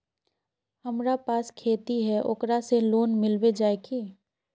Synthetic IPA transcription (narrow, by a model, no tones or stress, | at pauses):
həmɾapaːskʰeːt̪iɦɛʔo̰kɾaseloːnmɪlwed͡ʒaːekʰiː